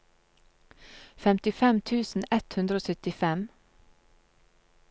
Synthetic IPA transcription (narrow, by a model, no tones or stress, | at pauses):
fɛmt̪ɪfɛmt̪ʰʉːsn̩ɛt̪hʉnd̪ɾəoːsœt̪ɪfɛm